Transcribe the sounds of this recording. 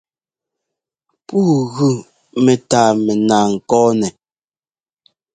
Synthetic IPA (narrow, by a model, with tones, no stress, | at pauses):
puː˦˨ɣʉ˦˨ | mɛ˨taː˨mɛ˨naː˨ŋ̩˨kɔː˦nɛ˨